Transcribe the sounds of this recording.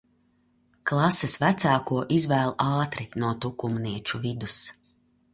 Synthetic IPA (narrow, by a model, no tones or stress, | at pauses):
klˠɑsɛsvæt̪saːkuɔʔizvæːlˠɑːt̪ɾinuɔt̪ukumniɛt͡ʃuvid̪us